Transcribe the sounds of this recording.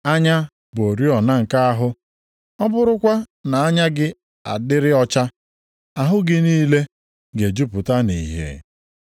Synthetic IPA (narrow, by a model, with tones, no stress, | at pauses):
a˦ɲa˦ | bo˨ɾi˦ɔ˨na˦ŋ̩˨ka˦a˦ɦʊ˦ | ɔ˦bʊ˦ɾʊ˦kʷa˦ | na˨a˦ɲa˦ɡɪ˦ | a̰˨dɪ˦ɾɪ˦ɔ˦t͡ʃa˦ | a˨ɦʊ˦ɡɪ˦niː˦le˦ | ɡe˨d͡ʒu˦pʊ˨ta˦ni˨ɦḛ˨